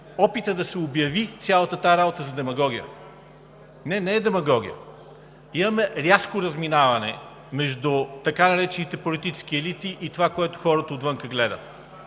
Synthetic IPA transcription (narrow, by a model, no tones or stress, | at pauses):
ɔpit̪əd̪ɐsɛobjɐvit̪sʲjalˠɐt̪ət̪aɛɾabot̪əzɐd̪ɛmɐɡɔɡʲijə̰ | nɛnɛːd̪ɛmɐɡɔɡ̟ḭjə̰ | imɐmɛɾʲjaskoɾɐzminavɐnɛ̰ | mɛʒd̪ut̪ɐkanɐɾɛt͡ʃɛnit̪ɛpolit̪it͡ʃɛ̥sk̟iɛlit̪iʔit̪ovakoɛt̪ʊ̥xɔɾɐt̪ɐːt̪vɤŋkəɡlɛd̪ə̰